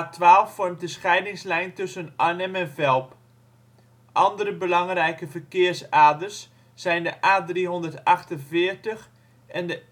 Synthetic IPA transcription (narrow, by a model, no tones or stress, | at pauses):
tʰʋaːlˠffɔrmt̚dəsχɛjdɪŋslɛjntɵsənanɛmɛnvɛlˠp | ʔɑndərəbəlɑŋrɛjkəvərkɪərsaːdərsː | ɛjndəʔaːdriɦondərtɑxtənvɪərtəx | ʔɛndə